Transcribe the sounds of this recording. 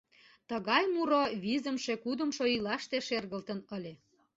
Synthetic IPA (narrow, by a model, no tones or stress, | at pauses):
t̪əɣɑjmuɾoβizəmʃekud̪ə̆mʃoilɑʃt̪eʃerɣəlt̪ənəlʲe